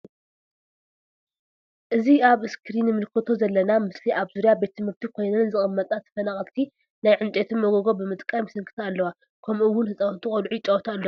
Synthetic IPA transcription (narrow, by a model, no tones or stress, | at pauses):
ʔɨziaβɨskʰɨɾinɨmɨlkʰɨt̪ʰo̞zɐlːɐnamɨsliʔaβzuɾijabe̞t̪ʰːɨmɨɾt̪ʰikʰo̞jnɐnzɨxʼɨmːɐt̪ʼnat̪ʰɐ̥fɐnaχʼɐlt̪ʰi | najʕɨnt͡ʃʼet̪ʰɨnmoɡoɡo̞bɨmɨt̪ʼkʼamisɨŋkʰɨ̥t̪ʰaːlːɐwa | kʰɐmɨwʊnhɨsʼawnt̪ʰɨxʼɐlʕuit͡ʃʼɐwt̪ʰaːlːo